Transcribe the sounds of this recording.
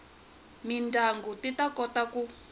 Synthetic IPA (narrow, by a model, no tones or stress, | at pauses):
mindaŋɡutitakɔtaku